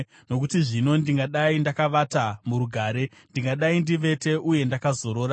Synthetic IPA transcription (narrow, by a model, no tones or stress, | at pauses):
no̞kutiʐino̞ndiŋɡaɗaindakaʋatamuɾuɡʱaːɾe̞ | ndiŋɡaɗaindiʋe̞te̞ʔuje̞ndakazo̞ɾo̞ːɾa